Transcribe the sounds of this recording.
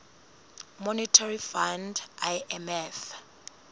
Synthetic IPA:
mɔnitʰarifandajɛmɛf

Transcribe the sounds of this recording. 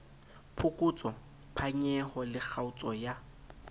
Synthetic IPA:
pʰʊkʼut͡sʼɔ | pʰaɲɛhɔlɪk͡xʰaʊt͡sʼɔja

